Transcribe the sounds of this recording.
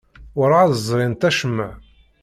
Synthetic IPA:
ʊɾʕaðəzˤɾˤɪnt̪æʃəmːəʕ

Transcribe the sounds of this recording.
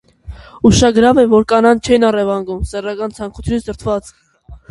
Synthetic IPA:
uʃɑɡəɾɑvɛvɔɾkɑnɑnt͡ʃʰɛnɑrɛvɑŋɡumsɛrɑkɑnt͡sʰɑŋkʰu̥t͡sʰjunzəɾt̪ʰvɑt͡s

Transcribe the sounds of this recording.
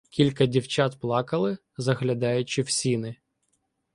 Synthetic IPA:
kʲilʲkɐdʲiwt͡ʃɑt̪plˠɑkɐlˠɪ | zɐɦlʲɐd̪ɑjʊt͡ʃɪwsʲinɪ

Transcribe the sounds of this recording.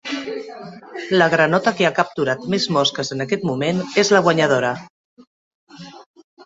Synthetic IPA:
ləɣ̞ɾənɔt̪əkeakəp̚t̪uɾat̪mezmɔskəzənəkɛt̪mumenezləɣwəɲəð̞oɾə

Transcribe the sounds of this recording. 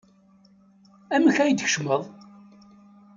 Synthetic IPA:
æməçæjd̪çə̥ʃməðˤ

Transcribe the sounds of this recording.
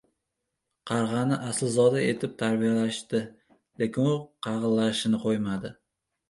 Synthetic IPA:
qʰɑɾʁɑnɪʔasɪlzɒd̪ae̞t̪ʰɪp̚t̪ʰaɾbijalaʃt̪ɪ | lekʲʰɪnʊqʰɑʁɨllːaʃɪnɪqʰojmad̪ɪ

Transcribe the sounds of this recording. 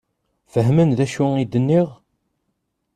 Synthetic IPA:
fəɦmənðæʃuid̪ənːiʁ

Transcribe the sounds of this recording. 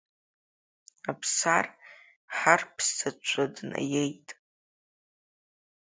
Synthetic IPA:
apʰsar | ħarpʰstʰat͡ʃʷʰadna̰jejtʼ

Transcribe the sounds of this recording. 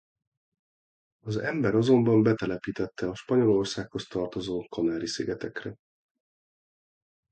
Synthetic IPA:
ɒzɛmbɛɾɒzo̞mbɒmbɛt̪ɛlɛpiːt̪ɛt̪ʰːɛɒʃpɒɲo̞lo̞rsaːkho̞st̪ɒrt̪o̞zoːkɒnaːɾisiɡɛt̪ɛkrɛ

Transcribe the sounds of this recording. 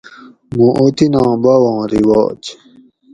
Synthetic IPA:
mũʔot̪inɑ̃ːbawɑ̃ːɾiwɑ̰ːt͡ɕ

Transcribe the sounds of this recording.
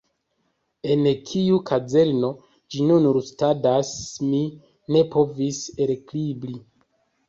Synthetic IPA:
e̞nkʰiukʰad͡ze̞lno̞ | d͡ʒinunuɾustadasmi | ne̞pʰo̞viseɾklibɾi

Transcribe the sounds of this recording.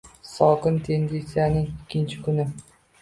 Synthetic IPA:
sɒkɪnt̪ʰend̪ent̪sɪjanɪŋikʲːɪnt͡ʃʰɪkʲʊnɪ

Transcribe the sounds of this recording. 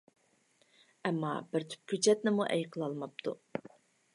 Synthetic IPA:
ɛmːɑ̰bɪɾt̪ʰy̥p̚kʲʰyt͡ʃɛt̪nɪmuʔɛjqʰəlˠɑlˠmɑp̚t̪ʰu

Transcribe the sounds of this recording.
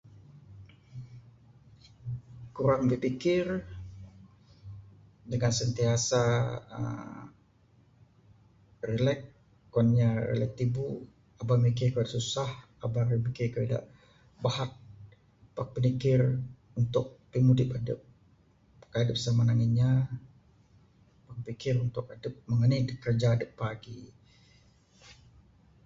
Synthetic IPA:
kuɾaŋbəpikɪr | dəŋansənt̪iasaə̰ | rəlɛk̚ | kanɲaɾə̰lɛk̚t̪ibu | abamik̬ɪrkəadaʔsusah | abarəmikekəeda̰ʔ | bahat̪̚ | pak̚pənikɪr | unt̪ʊk̚pimudɪpadə̰p̚ | kadəp̚samanaŋinɲa | pak̚pikɪrunt̪ʊk̚adəp̚məŋənajdkərd͡ʒaːdəpːaɡi

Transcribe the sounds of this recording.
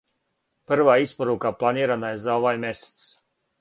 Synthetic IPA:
pɨɾvaːispaɾuːkaːplˠaniɛɾanajzawvajmʲɛst̪s

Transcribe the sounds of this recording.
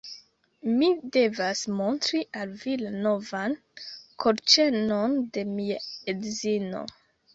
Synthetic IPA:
mide̞vasmo̞ntɾiʔalvilano̞van | kʰoɾt͡ʃe̞no̞nde̞miaedzino̞̰

